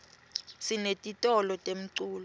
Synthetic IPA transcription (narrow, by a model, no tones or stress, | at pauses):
sinetʼitʼɔlɔtʼem̩ǀuːlɔ